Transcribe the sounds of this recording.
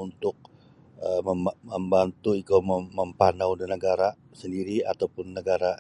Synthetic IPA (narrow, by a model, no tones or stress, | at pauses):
unt̪ʊk̚ | əməəmbant̪uikaməməmpanawnənəɡaɾa | səndiɾia̰t̪awpʊnːəɡaɾa